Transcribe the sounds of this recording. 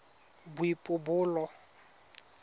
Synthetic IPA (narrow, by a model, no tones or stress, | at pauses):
bʊipʼʊbʊːlɔ